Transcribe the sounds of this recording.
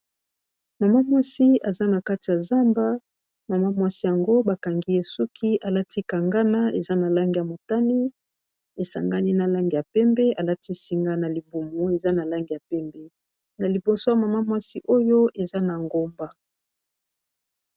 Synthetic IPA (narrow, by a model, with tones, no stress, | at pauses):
ma˨ma˦mwa˦si˦a˨za˦na˨ka˦ti˨ja˨za˦mba˦ | ma˨ma˦mwa˦si˦ja˨ŋɡo˦ba˨ka˨ŋɡi˦e˨su˦kʰi˦a˨la˦tʰi˦ka˨ŋɡa˦na˦ḛ˨za˦na˨la˦ŋɡi˨ja˨mo˨ta˦ni˦ | e˨sa̰˨ŋɡa˦ni˦na˨la˦ŋɡi˨ja˨pɛ˦mbɛ˦a˨la˦tʰi˦si˦ŋɡa˦na˨li˨bu˨mo˨e˨za˦na˨la˦ŋɡi˨a˨pɛ˦mbɛ˦ | na˨li˨bo˨so˦ja˨ma˨ma˦mwa˦si˦ʔo˦jo˦ʔe˨za˦na˨ŋɡo˦mba˦